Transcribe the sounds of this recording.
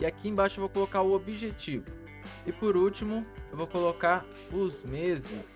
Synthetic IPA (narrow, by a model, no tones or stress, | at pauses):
ɪakiẽbaʃʊewvowkolokaɾʊobiʒet͡ʃivʊ | ɪpoɾut͡ʃimʊewvowkolokaɾ | ʊzmezɪs